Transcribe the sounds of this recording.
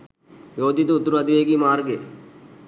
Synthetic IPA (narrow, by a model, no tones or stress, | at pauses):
joːd̪it̪uut̪ːuɾuɐd̪iʋeːɡiːmaːɾɡe